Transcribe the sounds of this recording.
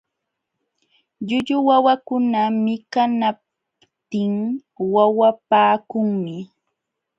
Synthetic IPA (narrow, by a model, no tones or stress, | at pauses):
ʎʊʎʊwawakʊnamɪkanap̚ | t̪ɪŋwawapaːkʊŋmɪ